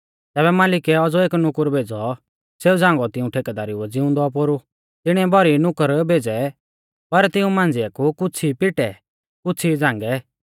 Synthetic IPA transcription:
t̪ɛːbɛmaːlɪkɛɔd͡zɔeːknʊkəɾbʱeːd͡zɔ | seːud͡zãːŋɡɔt̪ɪũʈʰeːkɛd̪aːɾiuɛd͡zɪʊ̃nd̪ɔp̬oɾu | t̪ɪɽ̃ĩɛbʱɔɾinʊkəɾbʱeːd͡zɛ | pɐɾt̪ɪũmãːnd͡zɪakukʊt͡sʰipɪʈɛ | kʊt͡sʰid͡zãːŋɡɛ

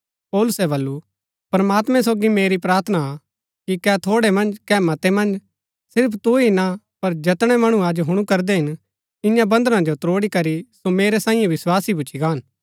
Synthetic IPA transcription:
pɔːlʊsɛbɐlːu | pɾɐmaːt̪mɛ̃soːɡimeːɾipɾaːɾt̪ʰna | kikɛt̪ʰoːɽɛmɐ̃nd͡ʒkɛːmɐt̪emɐ̃nd͡ʒ | sɪɾpʰt̪uina | pɐɾd͡ʒɐt̪ɽ̃ɛmɐɽ̃ũaːd͡ʒɦʊɽ̃ukɐɾd̪ɛɦɪn | ɪ̃jãbɐ̃nd̪əɾãd͡ʒot̪ɾoːɽikɐɾisomeːɾɛsãːɪ̃jẽʋɪswaːsibut͡ʃʰiɡaːn

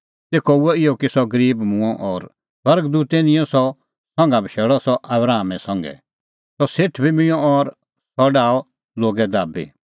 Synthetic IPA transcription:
t̪eːkɔuɔɪjɔkisɔɡəɾiːbmũɔ̃ʔɔːɾ | swɐɾɡd̪uːt̪ːenɪ̃jɔ̃sɔ | sɔ̃ŋɡabʱəʃeːɭɔsɔʔɐbɾaːmɛsɐ̃ŋɡɛ̰ | sɔseʈʰbʱimɪ̃jɔ̃ɔɾ | sɔɖaːɔ | loːɡɛd̪aːbḭ

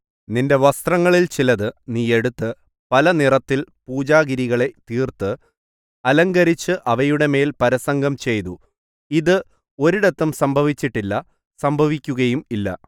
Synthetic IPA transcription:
ninde̞ʋɐst̪rɐŋːɐɭilt͡ɕilɐðɨniːe̞ɽut̪ːɨ | pɐlɐnirɐt̪ːilpuːd͡ʑaːɣiɾiɣɐɭe̞t̪iːrt̪ɨ | ɐlɐŋɡɐɾit͡ɕːɨʔɐʋɐjuɽe̞me̞ːlpɐɾɐsɐŋɡʱɐmt͡ɕe̞jt̪u | iðɨ | o̞ɾuɽe̞t̪ːɐmsɐmbʱɐʋit͡ɕːiʈːilːɐ | sɐmbʱɐʋikʲːuɣɐjumilːɐ̰

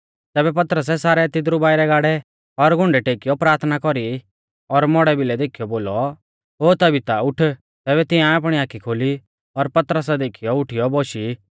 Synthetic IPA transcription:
t̪ɛːbɛp̬ɐt̪ɾəs̬ɛsaːɾɛt̪ɪd̪ɾubaːiɾɛɡaːɽɛ | ɔɾɡʱʊ̃ɳɖɛʈeːkijɔpɾaːɾt̪ʰnakɔɾi | ɔɾmɔɽɛbʱɪlɛd̪eːkʰijɔboːlɔ | ɦoːt̪ɐbʱit̪aʊʈʰ | t̪ɛːβɛt̪ɪ̃ãapɽ̃iaːkʰːikʰoːli | ɔɾpɐt̪əɾəsɛd̪eːkʰijɔʊʈʰijɔboːʃi

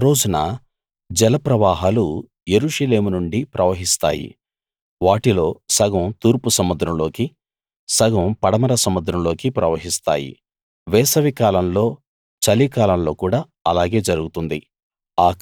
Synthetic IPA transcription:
ɾo̞ːd͡ʒunɐ | d͡ʒɛlɐpɾɐʋaːɦaːlu | je̞ɾuːʂɐle̞ːmunuɳɖipɾʔɐʋɐɦist̪a̰ːjḭ | ʋaːʈilo̞ːsɐɡɐmt̪uːɾpusɐmːud̪ɾɐmlo̞ːki | sɐɡɐmpɐɽɐmɐɾɐsɐmːud̪ɾɐmlo̞ːkipɾɐʋɐɦist̪a̰ːjḭ | ʋɛːsɐʋikaːlɐmlo̞ː | t͡ʃɐlikaːlɐmlo̞ːkuːɽaː | ɐlaːɡe̞ːd͡ʒɐɾuɡut̪und̪ḭ | aː

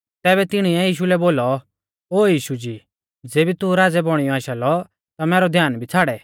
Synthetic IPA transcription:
t̪ɛːbɛt̪ɪɽ̃iɛjiːʃ̬ulɛboːlɔ | oːjiːʃud͡ʒiː | d͡zeːbit̪uɾaːd͡zɛbɔɽ̃ijɔaːʃalɔ | t̪amɛːɾɔd̪ʱjaːnbʱit͡sʰaːɽɛ

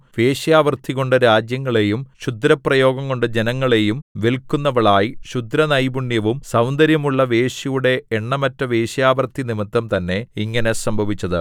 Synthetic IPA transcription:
ʋeːɕɐjaːʋɐrt̪ʰiɣo̞ɳɖɨɾaːd͡ʑjɐŋːɐɭe̞jumɕud̪ɾɐprɐjo̞ːɡɐŋːo̞ɳɖɨd͡ʑe̞nɐŋːɐɭe̞jumʋelkːunːɐʋɐɭaːjiɕud̪ɾɐnɐjbuɳːjɐʋumsɐwnd̪ɐɾjɐmuɭːɐʋe̞ːɕɐjuɽe̞ːɳːɐmɐtːɐʋe̞ːɕɐjaːʋɐrt̪ʰːinimit̪ːɐmt̪ɐnːe̞iŋːɐne̞sɐmbʱɐʋit͡ɕːɐðɨ̰

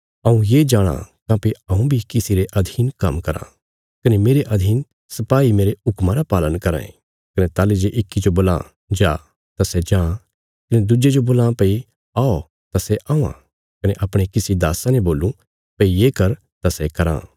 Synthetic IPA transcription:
ɐ̃ːũjeːd͡ʒaːɽ̃ã̰kãːpiɐ̃ũbʱikɪsiɾeʔɐd̪ʱiːnkɐmkɐɾã̰ | kɐnemeːɾeʔɐd̪ʱiːn | sɐpaːimeːɾeʊkmãɾapaːlənkɐɾã̰ːḛ̃ | kɐnet̪aːled͡ʒeʔɪkːid͡ʒoboːlã̰ | d͡ʒa̰ː | t̪asɛd͡ʒãː | kɐned̪ʊd͡ʒed͡ʒoboːlãpɐi | aːo | t̪asɛʔãːã̰ | kɐneʔɐpɽ̃ekɪsid̪aːsãneboːlũ | pɐijeːkɐɾ | t̪asɛkɐɾã̰ː

